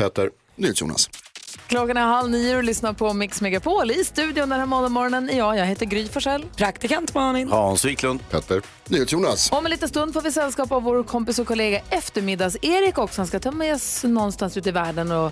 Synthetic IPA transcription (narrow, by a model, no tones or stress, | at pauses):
pʰɛt̪əɾ | nyːhet̪sjṵna̰skʰlɔkːanɛnɦalniːlʏsnapʰɔmɪksmɛɡapʰoːlɪst̪ʉ̟ːd̪ɪʊnd̪ɛnhæːɾmɔnad̪mɔɾɔnənɪjɑːjɑːɡɦeːt̪əɾɡɾyːfɔʂɛlːpʰɾakt̪ɪkant̪mɑːnɪŋhaansviːklɵnd̪pʰɛːt̪ːəɾ | nyːhet̪sjuːnasɔmɛnliːt̪ənst̪ɵnd̪foːɾvɪsɛlːskɑːpavoːɾkʰɔmpɪsɔkʰʊleːɡaʔɛft̪əɾmɪd̪aseːɾɪkɔksɔhanskat̪ʰœmːasnɔnːst̪ansʉ̟ːt̪ɪvæːɖənɔ